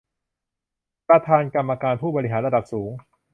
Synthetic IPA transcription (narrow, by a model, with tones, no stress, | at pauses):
pɾa˧t̪ʰaː˧nka˧mːa˧kaː˧npʰuː˥˩bɔː˧ɾi˦˥ɦaː˩˦nɾa˧da˨˩p̚suː˩˦ŋ